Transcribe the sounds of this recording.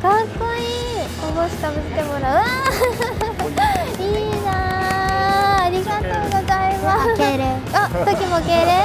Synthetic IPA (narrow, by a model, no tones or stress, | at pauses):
kãsoi | komoɕi̥k̪abɯt̪ːemoɾaɯa | iːna | ɾʲiɡat̪o̞ːɡo̞zaimaakeɾe | at̪okʲimokeɾe